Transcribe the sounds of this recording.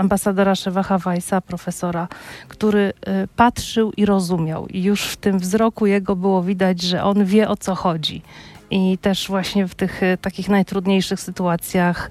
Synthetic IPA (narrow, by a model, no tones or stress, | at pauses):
ambasad̪ɔɾaʂɛvaxavajsapɾɔfɛsɔɾakt̪uɾɘpat̪ʂɘwʔiɾɔzumʲja̰wijuʂft̪ɘmvzɾɔkujɛɡɔbɘwɔvʲid̪ad͡ʑʐɛʔɔnvʲjɛʔɔt̪sɔxɔd͡ʑḭʔit̪ɛʂvwaɕɲɛft̪ɘxt̪akʲixnajt̪ɾud̪ɲejʂɘxsɘt̪uat̪sʲjax